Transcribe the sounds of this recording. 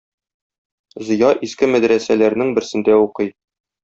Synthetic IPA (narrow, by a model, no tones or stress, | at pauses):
zɤ̆jɑʔiskɘmæd̪ɾæsælæɾnɘŋbɘ̆ɾsɘ̆nd̪æuqɤj